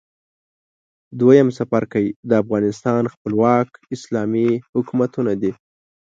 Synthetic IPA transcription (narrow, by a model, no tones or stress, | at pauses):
d̪wajamsafaɾkawid̪əafɣɑnɪst̪ɑnxpəlwɑkɪslɑmihʊkumat̪unad̪i